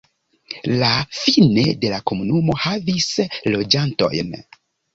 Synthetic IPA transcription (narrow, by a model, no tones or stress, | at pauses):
lafine̞de̞lako̞munumo̞havislo̞d͡ʒanto̞̰jn